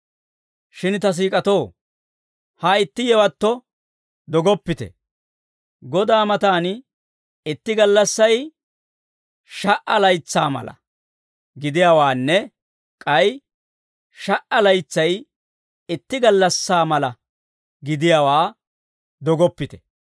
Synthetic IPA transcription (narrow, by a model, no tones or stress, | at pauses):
ʃɪnt̪ɐs̬iːkʼɐt̪oː | hɐɪt̪ːɪjɛwɐt̪ːɔ | d̪ɔɡɔpːɪt̪ɛ̰ | ɡɔd̪aːmɐt̪aːn | ɪt̪ːɪɡɐlːɐsːɐj | ʃɐʔɐlɐjt͡sːaːmɐ̰lɐ̰ | ɡɪd̪ɪjaːwaːnːɛ | kʼɐj | ʃɐʔɐlɐjt͡sːɐj | ɪt̪ːɪɡɐlːɐsːaːmɐlɐ | ɡɪd̪ɪjaːwaː | d̪ɔɡɔpːɪt̪ɛ̥